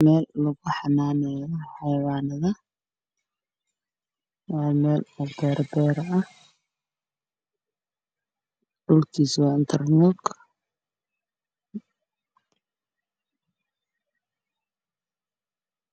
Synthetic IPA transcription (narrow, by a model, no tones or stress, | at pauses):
mɛːlːʊɣʊħɑnaːnɛjɔħɛjwaːnɐðɐ | wɑːmɛːlɔbɛːɾbɛːɾɐh | ɖ̥ʊlkʰiːswɑːɪnt̪ʰɐrnɔɡ